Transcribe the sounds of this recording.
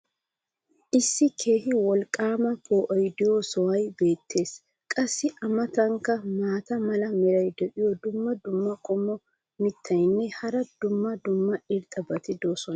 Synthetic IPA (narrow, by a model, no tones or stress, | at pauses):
ʔɪsːɪkʰe̞ːhɪwɔlkʼːaːmɐkʰoːʔɔjd̪ɪjosɔwɐjbe̞ːt̪ʰːe̞ːs | kʼɐsːɪʔɐmɐt̪ɐŋkːɐmaːt̪ɐmɐlɐmɛɾɐjd̪ɛʔɪjɔd̪ʊmːɐd̪ʊmːɐkʼɔmːɔ | mɪt̪ʰːɐjnːɛhɐɾɐd̪̥ʊmːɐd̪ʊmːɐɪɾt̪ʼɐbɐt̪ɪd̪oːsɔnɐ